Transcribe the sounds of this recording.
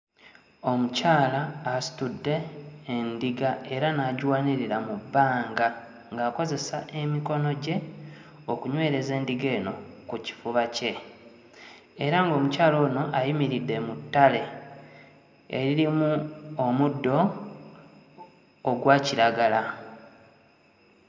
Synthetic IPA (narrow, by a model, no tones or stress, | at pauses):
o̞mucaːlaːsi̥tudːe̞ːndiɡae̞ɾanaɟwaːniɾiɾamubːaːŋɡa | ŋɡaːko̞ze̞saʔe̞miko̞no̞ɟe̞ | okuɲwe̞ːɾe̞ze̞ːndiɡe̞ːno̞kuci̥fuβace̞ | eɾaŋɡo̞ːmucaːlo̞ːno̞ʔajimiɾidːe̞mutːale̞ | ḛɾiɾimuomudːo̞ | ɡwaːciɾaɡala